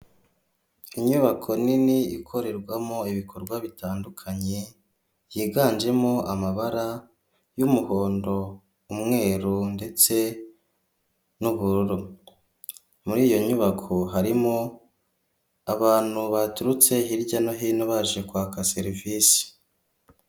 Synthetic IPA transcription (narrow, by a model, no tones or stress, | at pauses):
iɲuβakʰo̞niniikʰo̞ɾe̞ɾɡwamoiβikʰo̞ɾɡwaβitaːndukʰaɲe̞ | jiːɡaːnd͡ʒe̞moamaβaɾa | jumuho̞ːndo̞ | umŋe̞ːɾunde̞t͡se̞ | nuβuɾuɾu | muɾiːjo̞ɲuβakʰoɦaɾimo | aβaːn̥huβatuɾut͡se̞ɦiɾɟano̞ɦiːnoβaʒekwaːkase̞ɾivisi̥